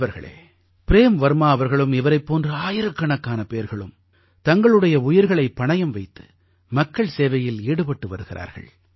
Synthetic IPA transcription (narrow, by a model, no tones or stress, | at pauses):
ʋɐɾɣɐ̰ɭḛː | pɪɾeːmʋɐɾmaːɐʋɐɾɣɐɭɯmɪʋɐɾɐɪpːoːndrɐaːjɪɾɯkːɐɳɐkːaːnɐpeːɾɣɐɭɯ̰m | t̪ɐŋɡɐɭɯɽɐjɐʊjɪɾɣɐɭɐɪpːɐɳɐjɐmʋɐɪt̪ːɯ̥ | mɐkːɐɭseːʋɐjɪleːɽɯpɐʈːɯʋɐɾɯɣɪɾʔa̰ːɾɣɐ̰ɭ